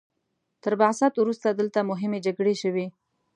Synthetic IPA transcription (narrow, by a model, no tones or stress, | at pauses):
t̪əɾbasɑt̪wɾust̪ad̪əlt̪amʊɦɪmed͡ʒaɡɽeʃəwi